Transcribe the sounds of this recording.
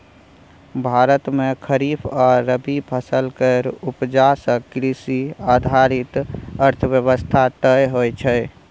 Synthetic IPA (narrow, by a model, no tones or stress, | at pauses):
bʱaɾət̪mekʰəɾifʰɔɾːəbipʰəsəlkəɾupd͡ʒasə̃kɾisiad̪ʱaɾit̪əɾt̪ʰəbjəβəst̪ʰat̪əjɦojt͡ʃʰəj